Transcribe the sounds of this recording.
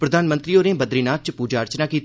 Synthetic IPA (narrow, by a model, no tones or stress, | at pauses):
pɾəd̪ʱaːnmə̃nt̪ɾiːoːɾẽːbəd̪ɾiːnaːt̪̚t͡ʃpuːd͡ʒaːɾt͡ʃnaːkiːt̪